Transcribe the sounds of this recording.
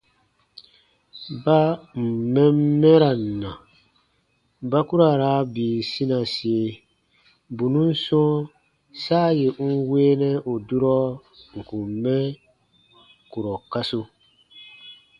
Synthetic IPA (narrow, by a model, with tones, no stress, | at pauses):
ba˦m̩˨mɛ̃˦m˦mɛ˦ɾa˨n˨nã˨ | ba˦ku˦ɾa˨ɾa˨˦biː˨sĩ˦nã˨si˨e˨ | bu˨nũ˦n̩˦sɔ̃˦ | saː˦˨je˨˦weː˦nɛ̃˦ʔo˨du˦ɾɔ˦ | ŋ̩˨kũ˨m̩˨mɛ˦ | ku˨ɾɔ˨ka˦su˦